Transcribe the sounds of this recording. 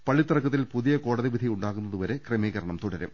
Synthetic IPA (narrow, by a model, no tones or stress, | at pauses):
pɐɭːit̪ːɐrɐkːɐt̪ːilpuðijɐko̞ːɽɐðiʋid̪ʱijuɳɖaːɣunːɐðuʋɐɾekremiːɣɐɾɐɳɐmt̪uɽɐɾɐ̰m